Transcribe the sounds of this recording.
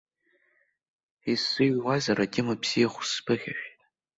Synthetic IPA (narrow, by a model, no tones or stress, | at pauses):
isːɨɥwazaɾʔatʲʼɪmabz̥ijaχʷʊ̥spʰɨχʲaʃᶣʼ